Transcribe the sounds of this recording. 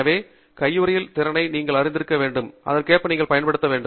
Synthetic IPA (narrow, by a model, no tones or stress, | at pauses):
ɐʋeː | kɐjːɯɾɐjɪlt̪ɪɾɐnɐɪniːŋɡɐɭɐɾɪnd̪ɪɾɯkːɐʋeːɳɖɯmʔɐ̰ðɐrkeːpːɐniːŋɡɐɭpɐjɐnpɐɽɯt̪ːɐʋeːɳɖɯ